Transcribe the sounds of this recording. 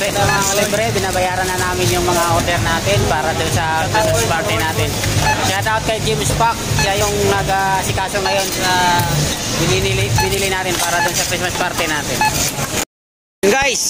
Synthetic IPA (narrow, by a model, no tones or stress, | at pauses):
ɛt̪amaɔlɛbɾɛbinabajaɾananaminjʊŋməŋaɔdɛrnat̪ɛnpaɾadɔŋsakɾismaspart̪ɛnat̪ɪnsajad̪aʊt̪̚kajd͡ʒimspak̚d͡ʒajʊŋnaɡasikasɔŋdajɔna | bininilibinilinat̪ɪnpaɾaduŋsakɾis̬maspart̪ɛnat̪ɛn | nɡajs